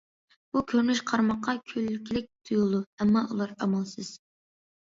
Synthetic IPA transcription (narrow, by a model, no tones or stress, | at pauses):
b̥ukʲʰøɾnyʃqʰɑɾmɑqːɑkʲʰølːykʲʰilɪk̚ʲt̪ʰujulˠd̪uɛmːɑʔulˠɑɾɑmɑlˠsɨz̥